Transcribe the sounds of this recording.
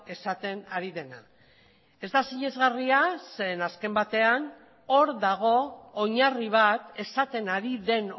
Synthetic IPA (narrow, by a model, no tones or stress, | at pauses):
e̞sat̪e̞naɾiðe̞na | e̞zd̪asiɲe̞zɣariase̞ːnaske̞mbat̪e̞an | o̞ɾðaɣ̞o̞ːɲariβ̞at̪e̞sat̪e̞naɾiðe̞n